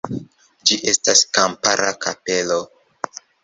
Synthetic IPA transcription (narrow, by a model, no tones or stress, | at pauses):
d͡ʒiʔe̞staskampaɾakape̞lo